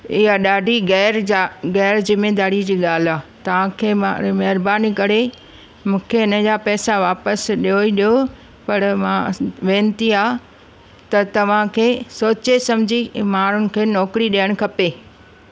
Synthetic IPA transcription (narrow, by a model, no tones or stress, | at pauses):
ɪɦaɗaːɖʱiɡɛːɾaɣɛːɾd͡ʑɪmed̪aːɾid͡ʑiːɠaːl̤aːt̪ɐʋ̤ãkʰeːmaɾimɐɦɪɾbaːnikɐɾe | mũːkʰeɪnə̆d͡ʑaːpɛːsaʋaːpəsɗioiɗijo | pɐɾmãʋẽːnt̪iaː | t̪ɐt̪ɐʋ̤ãkʰeːsoːt͡ɕesɐmd͡ʑʱimaːɾ̤ʊnɪ̆kʰeːnɔːkɾiɗijəɽ̃̆kʰɐpeː